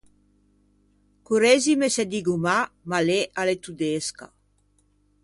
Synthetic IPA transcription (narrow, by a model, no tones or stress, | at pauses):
kuɾezimesed̪iɡumamaleʔalet̪ud̪eska̰